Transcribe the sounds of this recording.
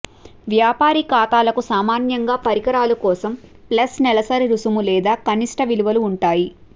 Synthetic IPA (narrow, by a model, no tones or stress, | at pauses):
ʋjaːpaːɾikaːt̪aːlɐkusaːmaːnjɐŋɡaːpɐɾikɐɾaːlukɔːsɐm | plɐsnɛlɐsaːɾiɾusumulɛːd̪aːkɐniʂʈɐʋiluʋɐluuɳʈaːji